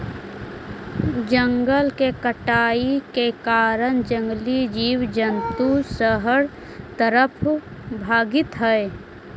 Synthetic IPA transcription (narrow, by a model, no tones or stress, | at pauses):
d͡ʒəŋɡəlkekəʈaːikekaːɾənd͡ʒə̃ŋɡlid͡ʒiːwd͡ʒənt̪usəɦəɽ | t̪əɾəpʰbʱaːɡɪt̪ɦɛe